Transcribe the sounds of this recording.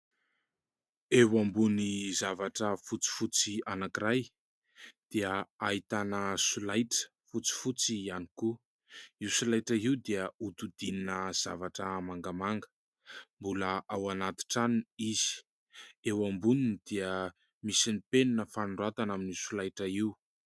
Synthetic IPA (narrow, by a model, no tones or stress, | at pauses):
ewambunizavaʈ͡ʂəfut͡si̥fut͡sianakiɾaj | d̪̥iəaɦit̪anəsulajʈ͡ʂə̥ | fut͡si̥fut͡sianiku | iwsulajʈ͡ʂəiwd̪iəut̪ud̪ininəz̥a̰vaʈ͡ʂəmaŋɡamaŋɡə̥ | mbuləʔawanat̪i̥ʈ͡ʂaniz̥i̥ | ewambuninid̪̥iə | misinipeninəfanuɳɖ͡ʐuat̪anaminisulajʈ͡ʂəiw